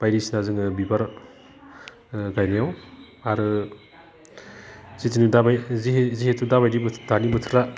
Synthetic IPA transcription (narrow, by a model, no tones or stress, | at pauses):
b̥ajɾisinazɯŋɯbibaɾ | ɡajnijaw | aɾɯ | zitinidabajziɦzihetudaβajɾibdanibɯtʰɯ̥ɾa